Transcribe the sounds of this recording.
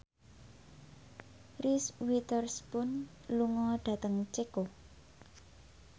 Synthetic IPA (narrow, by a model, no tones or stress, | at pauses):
riswit̪ɔrspʊn | luŋɔɖ̪̥a̤t̪əŋt͡ʃeko